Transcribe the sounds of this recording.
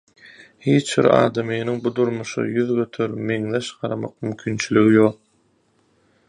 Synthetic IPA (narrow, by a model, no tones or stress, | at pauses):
hiːt͡ʃbḭɾɑ̰ːd̪ɑmɯːniŋbud̪uɾmuʃɯ̰jyðɡø̞t̪ʰøɾmeŋðeʃɢɑɾɑmɑ̰q̚mymkʲʰiːnt͡ʃʰylyɣijoq̚